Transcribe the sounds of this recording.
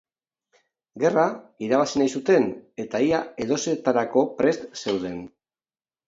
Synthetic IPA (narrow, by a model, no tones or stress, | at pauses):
ɡe̞raiɾaβ̞asinajsut̪e̞ne̞t̪aiae̞ð̞o̞se̞t̪aɾako̞pɾe̞st̪se̞wð̞e̞n